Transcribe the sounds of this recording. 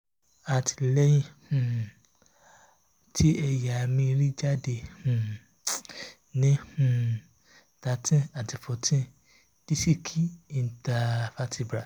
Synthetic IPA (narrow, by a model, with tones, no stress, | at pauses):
a˨tʰi̥˨lɛ˦jĩ˦hũ˨ | tʰi˦ɛ˧ja˨mĩ˧ɾi˦d͡ʒa˦de˧˨hũ˨ | nĩ˦hũ˨ | ta˧˨tĩ˦a˨ti˨fo˨tʰĩ˦ | d̥i˦si˦˨kʰi˦i˨˧n˨ta˨fa˦tʰi˧˨bɾa˨